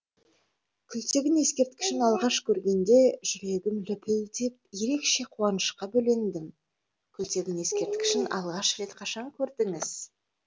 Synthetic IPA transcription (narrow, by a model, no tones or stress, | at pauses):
kʲʰʏlt̪e̞ɡʲɪne̞skʲe̞ɾt̪kʲɪ̥ʃɪnɑlˠʁɑʃkʲʰɵɾɡʲe̞nd̪e̞ʒʏɾe̞ɡʲɪmlʏpʰɪld̪e̞p̚je̞ɾe̞kʃe̞qʰuɑnəʃqɑbɵle̞nd̪ɪm | kʲʰʏlt̪e̞ɡʲɪne̞skʲe̞ɾt̪kʲɪ̥ʃɪnɑlˠʁɑʃɾe̞t̪qʰɑʃɑŋkʲʰɵɾd̪ɪŋɪz̥